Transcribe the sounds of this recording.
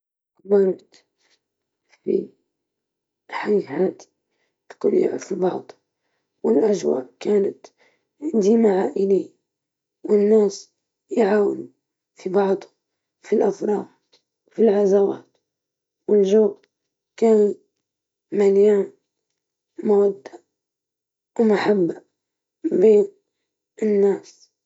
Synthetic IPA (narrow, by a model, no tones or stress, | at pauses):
kmanat̪ | fḭ | ħajhaːt̪ | t̪ḁkṵnja̰ʕfibɑʕd̪ˤ | wɪlʔaʒwa̰ːʔkaːnat̪ | ʕɪnd̪imaʕaːʔɪliː | wɪnːaːs | jʕaːwɪnu | fibɑʕd̪ˤʊ | filʔafɾˤɑːd̪ | filʕazawa̰ːt̪ | wɪlʒoːb | kaːn | maljaːn | mawad̪ːaʔ | wmaħabːaʔ | beːn | ɪnːaːs